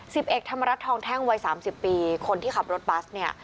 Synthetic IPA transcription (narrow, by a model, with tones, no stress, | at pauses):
si˨˩p̚ʔe˨˩k̚t̪ʰa˧mːa˧ɾa˦˥t̪ʰːɔː˧ŋt̪ʰɛː˥˩ŋwa˧jsaː˩˦msi˨˩pːiː˧kʰo˧nt̪ʰiː˥˩a˨˩p̚ɾo˦˥t̪̚baː˦˥s̚ni˥˩ɐ